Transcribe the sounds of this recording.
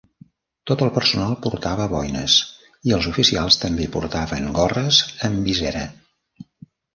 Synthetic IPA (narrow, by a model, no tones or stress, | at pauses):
t̪ot̪əlˠpərsunalˠpuɾt̪aβəβɔjnə̰s | iəlˠzufisialˠst̪əmbepṵɾt̪aβəŋɡɔrəzəmbizɛɾə̰